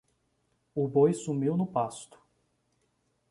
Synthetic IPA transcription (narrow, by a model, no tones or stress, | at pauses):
ʊbojsumiwnʊpast̪ʊ̥